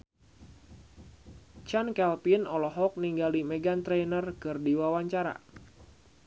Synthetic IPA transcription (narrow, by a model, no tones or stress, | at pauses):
t͡ʃankɛlpinɔlɔɦɔk̚niŋɡalimɛɡant̪ɾɛnərkɨrdiwawaɲt͡ʃaɾa̰